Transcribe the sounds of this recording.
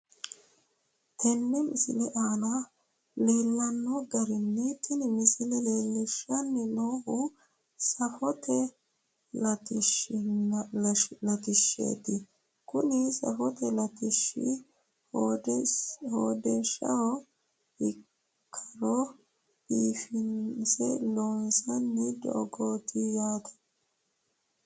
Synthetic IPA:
t̪ʰɛnːɛmɪsɪlɛʔaːnɐ | leːlːɐnːɔɡɐɾɪnːɛt̪ʰɪnɪmɪsɪlɛleːlːɪʃːɐnːɛloːhʊ | sɐfɔt̪ʰɛ | lɐt̪ɪʃ | lɐt̪ɪʃːḛːt̪ɪ | kʊnɪsɐ̰fɔt̪ɛlɐt̪ɪʃːɪ̰ | ho | hoːd̪ɛnʃɐwɔ | ɪ | kʰːɐɾɔ | biːfɪnsɛloːnsɐnːɪd̪ɔ̰ːɡoːt̪ɪjaːt̪ɐ̥

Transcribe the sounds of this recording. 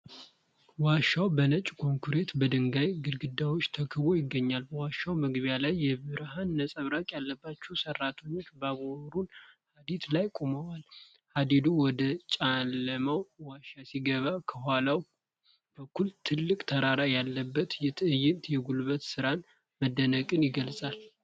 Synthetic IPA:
waʃawbənət͡ʃʼkʰo̞ŋkʰuɾe̞t̪bəd̪ɨŋɡajɡɨlɡɨd̪ːawo̞t͡ʃːt̪ʰəkʰəβo̞jɪɡːəɲːalbəwaʃawməɡβijalajːɛbɨɾhanːəsʼəβɾakʼjalːəbːat͡ʃːɛwsərːat̪ʰeɲːo̞t͡ʃːbaɡoɾunhad̪it̪lajkʼoməwal | had̪id̪uwɔd̪ət͡ʃʼalːəməwwaʃasiɡəβakʰəɦʷalaw | b̥əkʰːult̪ʰɨlːɨkʼt̪ʰəɾaɾajalːəbːət̪jɛt̪ʰɨɨjːɪnt̪jɛɡulβət̪sɨɾan | məd̪ːənəkʼɨnjɪɡəlsʼal

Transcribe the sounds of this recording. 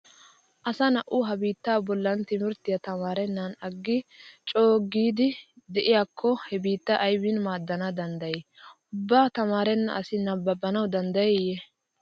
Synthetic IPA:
ʔɐsɐnɐʔʊɦɐbiːt̪ːaːbɔlːɐnt̪ɪmɪɾt̪ɪjɐt̪ɐmaːɾɛnːɐnɐɡːɪt͡ʃʼoːɡiːd̪ɪd̪ɛʔɪjakʰːɔhɛbiːt̪ːɐʔɐjbɪnmaːd̪ːɐnɐd̪ɐnd̪ɐjɛ | ʊbːaːt̪ɐmaːɾɛnːɐ̰ɐsɪnɐbːɐbːɐnɐwd̪ɐnd̪ɐjɛjɛ

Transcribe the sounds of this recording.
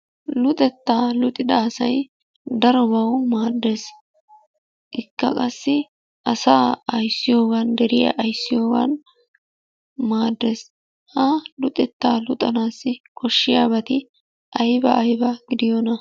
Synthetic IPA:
lʊt̪ʼɛt̪ːaːlʊt̪ʼːɪd̪ɐːsɐj | d̪ɐɾɔbɐwmaːd̪ːes | ʔɪkːɐ̰kʼɐsːɪ | ʔɐsaːɐjsːɪjo̞ːɡɐnd̪ɛɾɪjɐ̰ʔɐjsːɪjo̞ːɡɐ̰n | maːd̪ːeːs | hɐlʊt̪ʼɛt̪ːaːlʊt̪ʼɐnaːsːɪkʰɔʃːɪjaːbɐt̪ɪ | ʔɐjbɐʔːjbɐɡ̥ɪd̪ɪjɔnɐ

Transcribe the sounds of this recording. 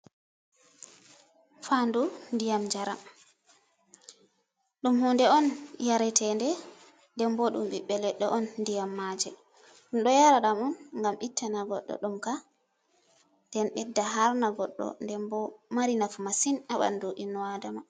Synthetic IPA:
fandundijamd͡ʒaɾa | ɗumhɔndɛɔnjaɾɛtʰɛndɛ | ndɛmbɔɗumɓiɓːɛlɛɗːɔʔɔnːdijamːad͡ʒɛ | ɗumɗɔjaɾaɗamɔnŋɡamitːanaɡɔ̰ɗːɔ̰ɗumka | ndɛnɓɛdːaɦaɾnaɡɔɗːɔ̰ndɛmbɔmaɾinafumasinaɓa̰ndoʔinwadama

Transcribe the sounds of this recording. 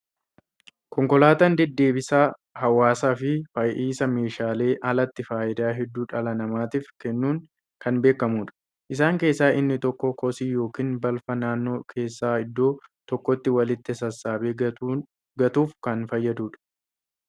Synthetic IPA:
kɔŋkɔlaːt̪ɐnd̪ɛd̪ːe̞ːbɪsaː | hɐwaːsaːfɪfɐjʔiːsɐme̞ːʃaːle̞ːʔɐlɐt̪ːɪfaːʔɪd̪aːɦɛd̪ːuːᶑɐlɐnɐmaːt̪iːfkɛnːuːŋ | kɐnbe̞ːkːɐmuːᶑɐ̥ | ʔɪs̬aːŋke̞ːsːaːʔɪnːɪt̪ɔkːɔkːɔsiːjo̞ːkiːnbɐlfɐnaːnːo̞ːkʰe̞ːsːaːɪd̪ːo̞ːt̪ɔkːɔt̪ːɪwɐlɪt̪ːɪsɐsːaːbeː | ɡɐt̪uːfkɐnfɐjːɐd̪uːᶑɐ̥

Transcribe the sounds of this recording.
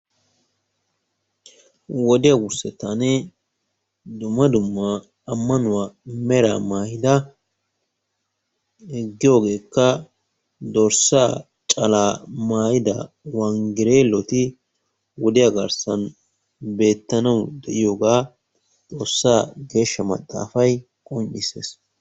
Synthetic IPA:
wɔd̪ɪjɐɡʊɾsɛt̪ːanɛ | d̪ʊmːɐd̪ʊmːɐː | mːɐnʊwamɛɾa̰maːjɪd̪ɐ | hɪɡːɪjo̞ːɡe̞ːkːɐ | d̪oɾsaː | t͡ʃʼɐlaːmaːjɪd̪ɐ̰ | wɐŋɡɪɾeːlːɔt̪ɪ | wɔd̪ɪjaɡɐɾsɐn | be̞ːt̪ːɐnɐwd̪ɛʔɪjoːɡaː | t̪ʼo̞ːsːaːɡe̞ːʃːɐmɐ̰t̪ʼːa̰ːfɐj | kʼɔnt͡ʃːɪsḛːs

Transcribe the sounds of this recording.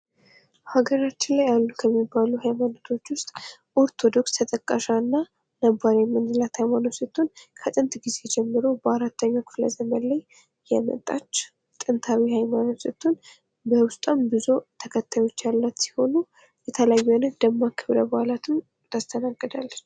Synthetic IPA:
haɡəɾat͡ʃːɪnlajalːukʰəmːibaluhajmanot̪ʰo̞t͡ʃːwʊst̪ʼʔo̞ɾt̪ʰo̞d̪o̞kst̪ʰət̪ʼəkʼːaʃaɨnːa | nəbaɾemːɨnd̪ɨlat̪hajmano̞sət̪ʰːunkʰət̪ʼɨnt̪ɡize̞d͡ʒɛmːɨɾo̞bəaɾat̪ːəɲːakʰɨ̥flə̰zəmənlaj | jɛmə̰t̪ʼːat͡ʃː | t̪ʼɨnt̪ʰawihajmanot̪sət̪ʰːun | bəwʊst̪ʼambɨzot̪ʰəkʰət̪ʰːajo̞t͡ʃːjalːat̪si̥ho̞nu | jɛt̪ʰəlajːuonənd̪əmːakʰɨβɾəbəhalat̪ʰɨm | t̪ʰast̪ʰənaɡːəd̪a̰lːət͡ʃː

